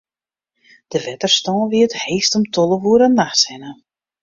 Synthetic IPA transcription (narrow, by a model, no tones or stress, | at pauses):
d̥əʋɛtərstɔːnʋiətheːstɔmtʰɔləʋuəɾənːaxsɛnə